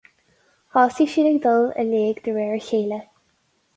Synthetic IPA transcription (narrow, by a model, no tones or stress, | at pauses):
hɔsiʃinəɡd̪ɔlə̰leːɡd̪̥əɹɛːɹəçeːlə